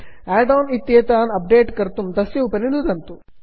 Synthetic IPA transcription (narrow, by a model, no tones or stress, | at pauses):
aːɖaːnit̪ːiɐt̪aːnɐp̚ɖeːʈkɐɾt̪umd̪ɐsjɐupɐnind̪ud̪ɐnt̪u